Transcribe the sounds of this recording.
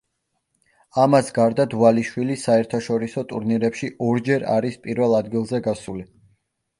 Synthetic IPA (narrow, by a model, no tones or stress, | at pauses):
amasɡaɾd̪ad̪ualiʃwilisaɛɾt̪ʰaʃɔɾisɔt̪ʼuɾniɾɛpʃiʔɔɾd͡ʒɛɾa̰ɾispʼiɾvɛlˠad̪ɡilˠzɛɡasuli